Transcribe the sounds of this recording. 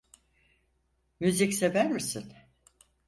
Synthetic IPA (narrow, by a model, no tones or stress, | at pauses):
myzicse̞væɾmisin